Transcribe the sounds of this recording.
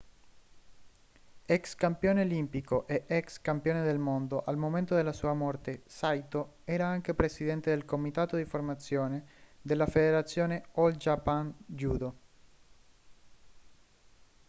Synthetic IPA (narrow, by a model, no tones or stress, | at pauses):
ɛkskampjoːneolimpikoʔeʔɛkskampjoːned̪elmond̪oʔalmoment̪od̪elasuːamort̪esajt̪o | ɛːɾaaŋk̟epɾesid̪ɛnt̪ed̪elkomit̪aːt̪od̪iformat̪sːjoːned̪elːafed̪eɾat̪sːjoːneold͡ʒapand͡ʒuːd̪o